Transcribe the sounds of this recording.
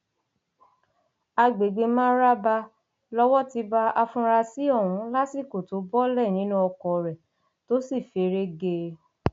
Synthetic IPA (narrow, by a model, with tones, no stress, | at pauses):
a˧ɡ͡be˨ɡ͡be˧mãː˦ɾa˦ba˧ | lɔ˧wɔ˦ti˧ba˧a˧fũ˧ɾa˧si˦ɔ˦˨wũ˨˧˦la˦si˦˨ko˨to˨˦bɔ˦lɛ˦˨nĩ˨˦nũ˦ɔ˧kɔ˨ɾɛ˨ | to˦si˦˨fe˨˦ɾe˦ɡe˧